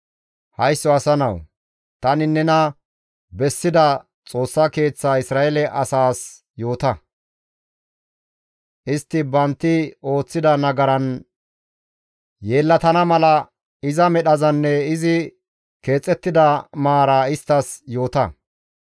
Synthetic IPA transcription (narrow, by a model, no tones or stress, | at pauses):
hɐjsːɔɐsɐnɐ̰w | t̪ɐnɪnɛnɐ | bɛsːɪd̪ɐ | t͡sʼo̞ːsːɐke̞ːt͡sːaːɪsɾaːɛlɛʔɐsaːs | jo̞ːt̪ɐ | ʔɪst̪ːɪbɐnt̪ːɪo̞ːt͡sːɪd̪ɐnɐɡɐɾɐn | je̞ːlːɐt̪ɐnɐmɐlɐ | ɪzɐmɛɗɐzɐnːɛɪzɪ | ke̞ːt͡sʼːɛt̪ːɪd̪ɐmaːɾaːɪst̪ːɐsjo̞ːt̪ɐ